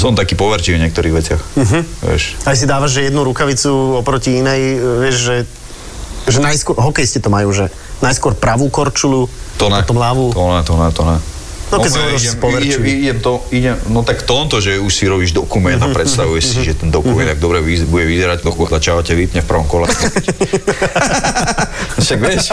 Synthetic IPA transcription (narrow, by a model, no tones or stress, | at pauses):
sɔnt̪akiːpɔʋɛɾt͡ʃiːvɔɲɪɛkt̪ɔɾiːɣʋɛt͡sɪaxm̩ɦ̩ʋɛ̰ʃas̬id̪aːʋaʒʒɛjɛd̪nuɾukaʋit͡suɔpɾɔciinɛjʋɪɛʒʒɛ | ʒɛnajskʊɔɦɔkɛjscɛt̪ɔmajuːʒɛ | najskʊɔɾpɾaʋuːkɔɾt͡ʃulu | t̪ɔnɛat̪umlaʋuːt̪ɔnɛt̪ɔnɛt̪ɔna | nɔkɛsɔisɛspɔʋɛɾɛiɛmt̪ɔiɟɛmnɔt̪akft̪ɔmt̪ɔʒɛuʃsiɾɔbiːʒd̪ɔkumɛnt̪apɾɛt̪st̪aʋujɛʃsiʒɛt̪ɛnd̪ɔkuumɛnt̪aɡ̚d̪ɔbɾɛibuɟɛʋizɛɾacpɔkzat͡ʃaʋacɛʋip̪ɲɛfpr̩ʋɔmkɔlɛ | ʃaɡʋɪɛʃ